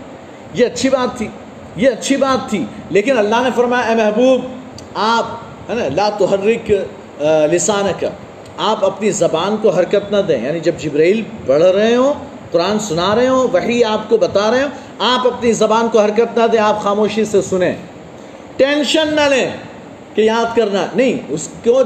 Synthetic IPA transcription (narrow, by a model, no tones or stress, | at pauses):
jeɐtːʃʰibaːt̪ʰːiː | jeɐtːʃʰibaːt̪ʰːileːkɪnɐlːaɦnefɐɾmaːjaɛːmɛɦbuːb | aːp | ɦɛːnalaːt̪ʊɦɐɾːɪk | lɪsaːnɐka̰ | aːpɐpnizɐbaːnkoɦɐɾkət̪nɐd̪ḛ̃ːjaːnid͡ʒɐbd͡ʒɪbɾaːiːlbɐɽ̤ɾɐɦẽɦõː | qʊɾaːnsʊnaɾɐɦẽɦõːʋɐɦiaːpkobɐt̪aɾɐɦẽɦo | aːpɐpnizɐbaːnkoɦɐɾkət̪nɐd̪ẽːaːpxaːmoːʃisesʊnẽː | ʈẽːnʃənːɐlẽː | kejaːd̪kɐɾnanɐɦĩʊsko